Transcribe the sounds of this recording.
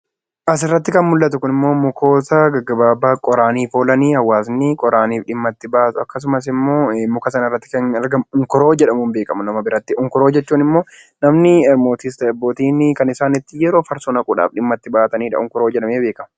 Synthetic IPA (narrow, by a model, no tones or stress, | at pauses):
ʔɐs̬ɪrːɐt̪ːɪkɐnmʊlːɐt̪ʊkʊnɪmːo̞ːmʊkʰo̞ːsɐɡɐɡːɐbaːbːaːkʼɔɾaːniːfo̞ːlɐniːhɐwːaːsnɪkʼɔɾaːniːfᶑɪmːɐt̪ːɪbaːt̪ʊɐkːɐs̬ʊmɐs̬ɪmːo̞ːmʊkɐsɐnɪrːɐt̪ːɪ̥kɐnɛɾɡɐmʊŋkʊɾo̞ːd͡ʒɛᶑɐmʊmbe̞ːkʼɐmʊnɐmɐbɪɾɐt̪ːɪʔʊŋkʊɾoːd͡ʒɛt͡ʃːuːnɪmːo̞ː | nɐmnɪɛɾmo̞ːt̪ist̪ɐɐbːoːt̪iːnɪkɐnɪsaːnɪt̪ːɪjɛɾoːfɐɾsɔnɐkʼʊᶑa̰ːfᶑɪmːɐt̪ːɪbaːt̪ɐniːᶑɐ̰ʊŋkʊɾo̞ːd͡ʒɛᶑɐmeːbeːkʼɐmɐ